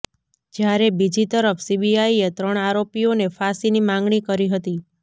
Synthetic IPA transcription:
d͡ʒjaɾebid͡ʒit̪əɾəfʰsibiaiet̪ɾəɳ̃aɾopijonefasinimãŋɡɳ̃ikəɾiɦət̪i

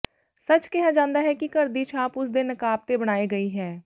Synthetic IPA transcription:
sət͡ʃkɛɦad͡ʒãːnd̪aːɦɛːkikəɾd̪iːt͡ʃʰaːpʊsd̪ɪnəkaːb̚t̪ebəɽ̃aːeɡəiɦɛː

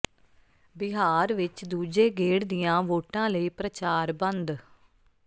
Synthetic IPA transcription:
bɪɦaːɾʋɪt͡ʃd̪uːd͡ʒeːɡeːɽd̪ɪjãːʋoːʈãːləiːpɾət͡ʃaːɾbə̃nd̪

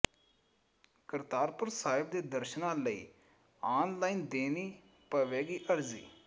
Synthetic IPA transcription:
kəɾt̪aːɾpʊɾsaːɪb̚d̪eːd̪əɾʃənãːləḭː | aːnlaːiːnd̪eːniː | pəʋeːɡiːʔəɾzḭː

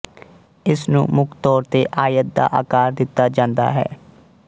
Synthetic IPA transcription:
ɪsnṵ̃ːmʊkʰt̪ɔːɾt̪eːʔaːjət̪̚d̪a̰ːʔa̰ːkaːɾd̪ɪt̪ːaːd͡ʒãːnd̪a̰ːɦɛ̰ː

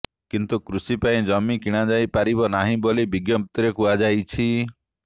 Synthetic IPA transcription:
kint̪ukɾusipaĩd͡ʒɔmikiɽ̃ad͡ʒajpaɾiβɔnaɦĩbolibiɡjɔpt̪ɾekuad͡ʒajt͡ʃʰi

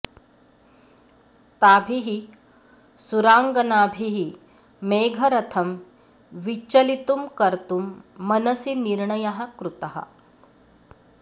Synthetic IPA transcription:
t̪aːbʱiɦi | suɾaːŋɡɐnaːbʱiɦi | meːɡʱɐɾɐt̪ʰɐm | ʋit͡ʃɐlit̪umkɐɾt̪umːɐnɐsiniɾɳɐjaɦɐkɾut̪ɐɦɐ̰

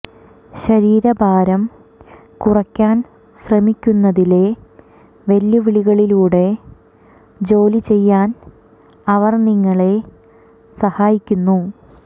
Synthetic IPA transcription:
ɕɐɾiːɾɐbʱaːɾɐm | kurɐkʲːaːn | ɕrɐmikʲːunːɐðile̞ | ʋeljuʋiɭiɣɐɭiluːɽe̞ | d͡ʑo̞ːlit͡ɕe̞jːaːn | ɐʋɐrniŋːɐɭe̞ | sɐhaːjikʲːunːu

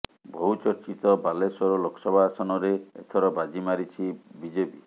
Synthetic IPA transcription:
bʱout͡ʃɔɾt͡ʃit̪ɔbalesɔɾɔlokʰɔ̥sɔbʱasɔnɔɾeet̪ʰɔɾɔbad͡ʒimaɾit͡ʃʰibid͡ʒepi

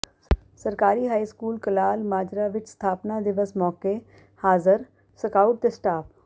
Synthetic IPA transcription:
səɾkaːɾiːɦaːiːskuːlkəlaːlmaːd͡ʒɾaːʋɪt͡ʃst̪ʰaːpnaːd̪ɪʋəsmɔːkeː | haːzəɾ | səkaːuʈ̚t̪eːsʈaːp

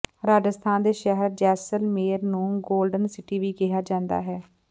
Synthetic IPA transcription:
ɾaːd͡ʒəst̪ʰaːnd̪eːʃɛɦəɾd͡ʒɛːsəlmeːəɾnũːɡoːlɖənsɪʈiːʋiːkɪɦaːd͡ʒãːnd̪a̰ːɦɛː

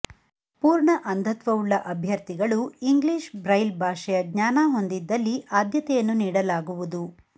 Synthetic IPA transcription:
puːɾɳɐʔɐnd̪ʱɐt̪ʋɐuɭːɐʔɐbʱjɐɾt̪iɡɐɭuiŋɡliːʃbɾɐjlbʱaːʂɐjɐɡɲaːnaɦo̞nd̪id̪ːɐlːiʔaːd̪jɐt̪ɛjɐnːuniːɽɐlaːɡuʋud̪u

